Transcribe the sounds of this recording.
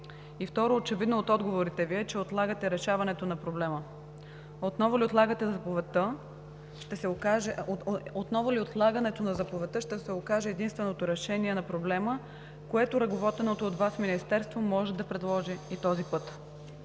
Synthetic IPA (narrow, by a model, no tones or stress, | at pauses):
ift̪ɔɾoːt͡ʃɛvid̪noːt̪ɔd̪ɡovoɾit̪ɛviɛt͡ʃɛot̪lˠaɡət̪ɛɾɛʃavɐnɛt̪onɐpɾoblɛmə | ot̪nɔvʊliot̪lˠaɡət̪ɛzɐpovɛt̪ə | ʃt̪ɛsɛokaʒɛot̪nɔvʊliot̪lˠaɡɐnɛt̪onɐzɐpovɛt̪ɤʃt̪ɛsɛokaʒɛːd̪inst̪vɛnot̪oɾɛʃɛniɛnɐpɾoblɛmə | koɛt̪oɾɐɡovɔt̪ɛnot̪oːt̪vasminist̪ɛɾst̪vomɔʒɛd̪ɐpɾɛd̪lˠɔʒɛit̪ɔzipɤt̪